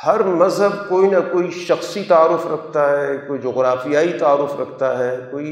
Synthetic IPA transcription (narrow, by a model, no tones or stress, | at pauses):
hɐɾmɐzɦəb̚koːinakoːiʃɐxsit̪aːɾʊfɾɐkʰt̪aɦɛkoːid͡ʒoːɣɾaːfijaːit̪aːɾːʊfɾɐkʰt̪aɦɛːkoːi